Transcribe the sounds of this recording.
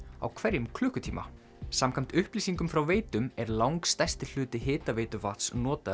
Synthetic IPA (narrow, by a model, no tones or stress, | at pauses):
a̰wkʰvɛɾjʏmkʰlʏːhkʏt̪ʰiːma̰ | samkʰam̥t̪ʏhpliːsiŋkʏmfɾawveːjt̪ʏmɛɾlawŋkst̪ɛ̥st̪ɪl̥ʏːt̪ɪɦɪːt̪avejt̪ʏfat̪snɔːt̪a